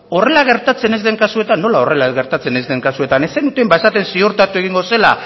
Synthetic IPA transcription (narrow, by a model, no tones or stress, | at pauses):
o̞re̞laɣ̞e̞ɾt̪at͡se̞ne̞zðe̞ŋkasue̞t̪anːo̞laore̞laɣe̞ɾt̪at͡se̞ne̞zd̪e̞ŋkasue̞t̪ane̞senut̪embae̞sat̪e̞nsio̞ɾt̪at̪ue̞ɣ̞iŋɡo̞se̞la